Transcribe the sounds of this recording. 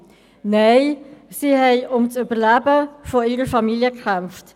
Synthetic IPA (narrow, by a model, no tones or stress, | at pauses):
nɛɪsiːhɛɪʔʊmt͡sybəlæbəfɔiːɾəfɑmiljəkχɛmft